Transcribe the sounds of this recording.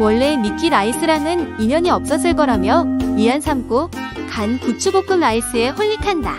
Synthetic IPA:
wʌɭːe̞mik͈ʰiɾais͈ʰɯɾanɯniɲʌɲiʌp̚s͈ʌs̬͈ɯɭk͈ʌɾamjʌiɦansʰamk͈okankut͡ɕʰuɡok͈ɯmɾais͈ɯe̞ɸʌʎːikʰanda̰

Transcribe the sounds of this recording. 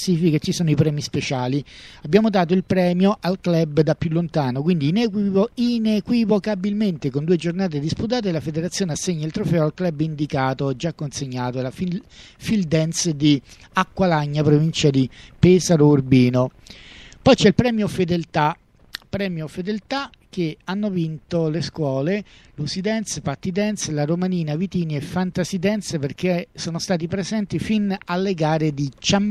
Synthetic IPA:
sifikat͡ʃːisɔːnoipɾɛːmispet͡ʃaːliabːjaːmod̪aːt̪̬oilpɾɛːmjoʔalklɛbd̪apːjulːont̪aːnokwind̪iːnɛkiinekwivokabilment̪ekond̪ued͡ʒornaːt̪̬ed̪isput̪̬aːt̪̬elafed̪eɾat̪sːjoːneasːeɲːailt̪ɾofɛːoalklɛbːind̪ikaːt̪od͡ʒakːonseɲːaːt̪oelafifild̪ɛnsd̪i | akːwalaɲːapɾovint͡ʃad̪ipɛːsaɾourbiːno | pɔjt͡ʃɛilpɾɛːmjofed̪elt̪a | pːɾɛːmjofed̪elt̪a | k̟eanːovint̪oleskwɔːlelusid̪ɛnt̪spat̪ːid̪ɛnt̪slaɾomaniːnavit̪iːniefːant̪asid̪ɛnt̪seperk̟esoːnost̪aːt̪̬ipɾezɛnt̪ifinalːeɡaːɾed̪it͡ʃam

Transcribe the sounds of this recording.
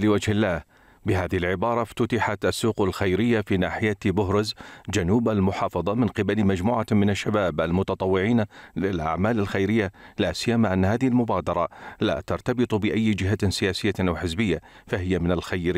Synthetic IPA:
lɪwad͡ʒhɪlːaːh | bɪɦaːðɪhɪlʕɪbɑːɾˤɑft̪ʊt̪ɪħat̪ʔasːuːqalxajɾɪjːafiːnaːħɪjat̪bʊɦɾɪzd͡ʒanuːbalmʊħɑːfɑðˤɑmɪnqɪbalmad͡ʒmuːʕamɪnaʃːabaːbʔalmʊt̪ɑt̪ˤɑwːɪʕiːnalɪlʔa̰ʕmaːlalxajɾɪjːalaːsɪjːamaʔanːhaːðɪhlmʊbaːd̪ɑɾˤɑla̰ːt̪ɑɾˤt̪ɑbɨt̪ˤbɪʔajːd͡ʒɪɦasɪjaːsɪjːaʔawħɪzbɪjːafaɦɪjamɪnalxajɾ

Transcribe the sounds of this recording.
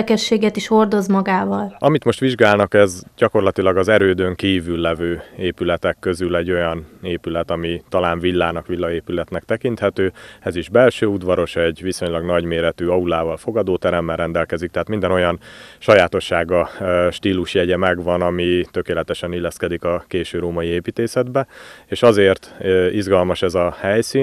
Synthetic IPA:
kɛʃːeːɡɛt̪iʃho̞rd̪o̞zmɒɡaːvɒlɒmit̪mo̞ʃt̪ʋiʒɡaːlnɒkɛzɟɒko̞rlɒt̪ilɒɡɒzɛɾøːd̪øŋkiːvylːɛvøːeːpylɛt̪ɛkːø̞zylɛɟːo̞jɒneːpylɛt̪ɒmit̪ɒlaːɱvilːaːnɒkʋilːɒeːpylɛt̪nɛkt̪ɛkint̪hɛt̪øːɛziʒbɛlʃøːud̪vɒɾo̞ʃɛɟʋiso̞ɲlɒɡnɒɟmeːɾɛt̪yːɒulaːvɒlfo̞ɡɒd̪oːt̪ɛɾɛmːɛlɾɛnd̪ɛlkɛzik̚t̪ɛɦaːt̪mind̪ɛno̞jɒnʃɒjaːt̪o̞ʃːaːɡɒʃt̪iːluʃjɛɟɛmɛɡʋɒnɒmit̪ø̞keːlɛt̪ɛʃɛnilːɛskɛd̪ikɒkeːʃøːɾoːmɒjieːpiːt̪eːsɛd̪bɛeːʃɒzeːrt̪iʒɡɒlmɒʃɛzɒhɛjsiː

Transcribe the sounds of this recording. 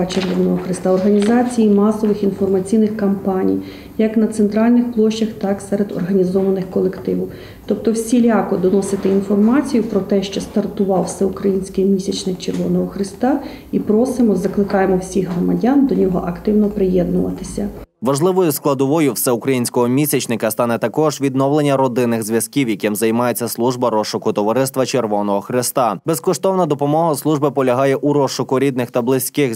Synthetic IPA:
t͡ʃerʋɔnɔɦɔxɾɪst̪aɔrɦɐnʲizɑt͡sʲijimɑsɔʋɪxinfɔrmɐt͡sʲijnɪxkɐmpɑnʲḭj | jɐknɐt̪sent̪ɾɑlʲnɪxplˠɔʃt͡ʃɐxt̪ɑksɛɾed̪ɔ̰rɦɐnʲizɔʋɐnɪxkɔlˠekt̪ɪʋʊw | t̪ɔp̚t̪ɔwsʲilʲɑkɔd̪ɔnɔsɪt̪ɪinfɔrmɑt͡sʲijʊpɾɔt̪ɛʃt͡ʃɔst̪ɐrt̪ʊʋɑwsɛukɾɐjinʲsʲkijmʲisʲɐt͡ʃnɪkt͡ʃerʋɔnɔɦɔxɾɪst̪ɑ | ipɾɔsɪmɔzɐklˠɪkɑjemɔwsʲiɣɦrɔmɐdʲɑnd̪ɔnʲɔɦɔ̰ʔɐkt̪ɪwnɔpɾɪjɛd̪nʊʋɐ̰t̪ɪsʲɐʋɐʒlˠɪʋɔjʊsklˠɐd̪ɔʋɔjʊwsɛʊkɾɐjinʲsʲkɔɦɔmʲisʲɐt͡ʃnɪkɐst̪ɑnɛt̪ɐkɔʒʋʲid̪nɔwlˠenʲːɐɾɔd̪ɪnɪxzʲʋʲjɐskʲiwjɐkɪmzɐjmɑjet͡sʲːɐslˠuʒbɐɾɔʃʊkʊt̪ɔʋɐɾɪst̪ʋɐt͡ʃerʋɔnɔɦɔxɾɪst̪ɑbɛskɔʃt̪ɔwnɐd̪ɔpɔmɔɦɐslˠuʒbɪpɔlʲɐɦɑjɛʔuɾɔʃʊkʊɾʲid̪nɪxt̪ɐblˠɪsʲkɪx

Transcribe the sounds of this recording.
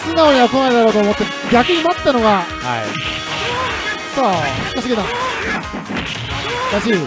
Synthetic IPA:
sinaoɲiβakonaid̪aɾoːt̪oːmot̪ːe | ɡʲakɯ̟ɲ̟imat̪ːano̞ɡa | ha̰i | soːi̥kːasɨɡenã | ɾaɕi

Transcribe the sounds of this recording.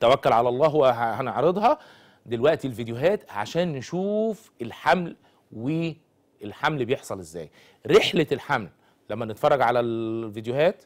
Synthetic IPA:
t̪ːæwækːælʕalæʔɑlˤːɑːɦowæhæneʕɾed̪ˤhɑ | d̪elwæʔt̪ilvid̪jʊɦæːt̪ʕa̰ʃæːnːeʃuːf | elħaml | we | elħamlbejeħsˤɑlʔezːæ̰ːj | ɾeħlelħamlː | æmːænet̪fɑrˤːɑɡʕalælvid̪jʊɦæːt̪

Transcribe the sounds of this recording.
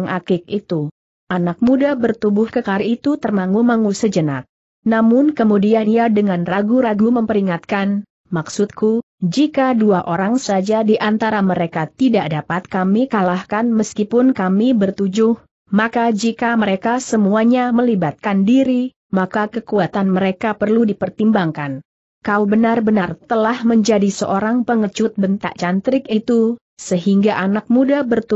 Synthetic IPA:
ŋʔakɪk̚it̪u | ʔanak̚mudabərt̪ubʊhkəkaɾit̪ut̪ərmaŋumaŋusəd͡ʒəna̰t̪̚ | namʊnkəmudianiadəŋanraɡuɾaɡuməmpəɾiŋat̪̚kan | maksʊt̪̚kʰu | d͡ʒikaduaʔoɾaŋsad͡ʒadiʔant̪aɾaməɾekat̪idaʔdapat̪̚kamikalahkanməskipʊnkamibərt̪ud͡ʒʊh | makad͡ʒikaməɾekasəmuaɲaməlibat̪̚kandiɾi | makakəkuat̪anməɾekapərludipərt̪imbaŋkan | kaubənarbənart̪əlahməɲd͡ʒadisəʔoɾaŋpəŋət͡ʃʊt̪̚bənt̪a̰ʔt͡ʃant̪ɾɪkit̪u | səɦiŋɡaʔanak̚mudabərt̪u

